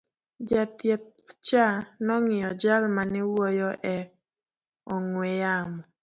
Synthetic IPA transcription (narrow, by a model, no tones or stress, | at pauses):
d͡ʒat̪jɛt̪̚ | t͡ʃanɔŋɪjɔd͡ʒalmanɪwɔjɔʔɛ | ɔŋwɛjamɔ